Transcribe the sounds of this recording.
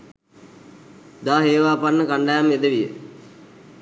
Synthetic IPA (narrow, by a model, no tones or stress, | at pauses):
d̪aːɦeːʋaːpanːəkaɳɖajamed̪əʋijə̰